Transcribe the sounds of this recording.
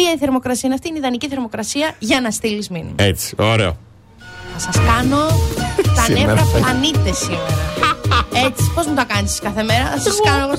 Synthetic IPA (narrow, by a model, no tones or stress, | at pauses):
iɐiθe̞ɾmo̞kɾɐsiɐinɐft̪iineiðɐniciθeɾmo̞kɾɐsiɐʝɐnɐst̪ilizminḭmet͡si̥oɾe̞̰o̰ | θɐsɐskɐno̞t̪ɐneɾɐpɐnit̪e̞simeɾɐ | et͡si̥po̞zmut̪ɐkɐnisskɐθe̞me̞ɾɐθɐsɐskɐnoeɣo